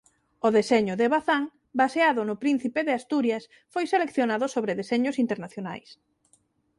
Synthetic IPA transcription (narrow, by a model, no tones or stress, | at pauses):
oðeseɲʊðeβaθaŋ | baseaðʊnʊpɾin̟θipeðɪast̪uɾjas | fojselekθjonaðʊsoβɾeðesɛɲʊsint̪eɾnaθjona̰js